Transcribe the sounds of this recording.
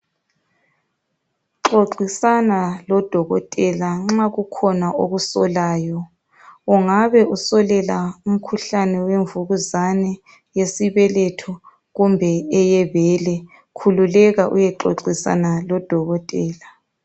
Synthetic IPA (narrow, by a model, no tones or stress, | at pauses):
ǁoǁisanalɔd̥ʱɔɣɔtʼɛlaŋ͡ǁaɣukʰɔnaʔoɣusɔlaːjɔ | uŋaβɛusɔlɛlaum̩kʰuɬanɛweɱvuɣuzanɛ | jesiβɛlɛtʰɔ | ɣumbʱɛːjɛβɛlɛ | kʰululɛɣaʔṵjɛǃo̰ǁisa̰nalɔd̥ʱɔɣɔtʼɛːla